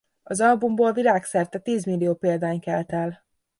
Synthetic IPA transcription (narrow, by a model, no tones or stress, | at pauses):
ɒzɒlbumboːlvilaːksɛrt̪ɛt̪iːzmilːijoːpeːld̪aːɲkɛlt̪ɛl